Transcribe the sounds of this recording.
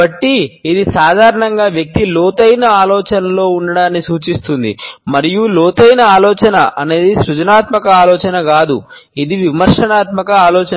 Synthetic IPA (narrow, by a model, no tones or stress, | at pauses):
ɐʈːiid̪isaːd̪ʱaːɾɐɳɐŋɡaːʋjɐk̚t̪ilɔːt̪ɐjnɐaːlɔːt͡ʃɐnɐlo̞ːuɳɖɐɽaːnːisuːt͡ʃist̪und̪ḭmɐɾijulɔːt̪ɐjnɐaːlɔːt͡ʃɐnɐʔɐne̞ːd̪isɾud͡ʒɐnaːt̪mɐkɐaːlɔːt͡ʃɐnɐɡaːd̪ṵ | id̪iʋimɐɾʂɐnaːt̪mɐkɐaːlɔːt͡ʃɐ